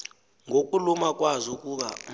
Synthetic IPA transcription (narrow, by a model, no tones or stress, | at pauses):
ŋʱokʼulumak̬ʼwazɔkʼuɓa̰